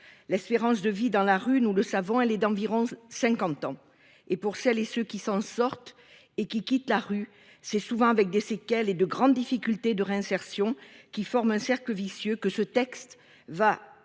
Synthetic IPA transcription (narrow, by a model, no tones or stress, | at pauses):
lɛspeʁɑ̃s̬d̪əvid̪ɑ̃laʁynuləsavɔ̃ɛlɛd̪ɑ̃viʁɔ̃sɛ̃kɑ̃t̪ɑ̃ | epuʁsɛlesøkʲisɑ̃sɔʁt̪ | ekʲikʲit̪laʁy | sɛsuvɑ̃avɛk̚d̪esekɛled̪əɡʁɑ̃d̪ːifikʲylt̪ed̪əʁeɛ̃sɛʁsjɔ̃kʲifɔʁmɛ̃sɛʁkləvisjøkəsət̪ɛkst̪ | va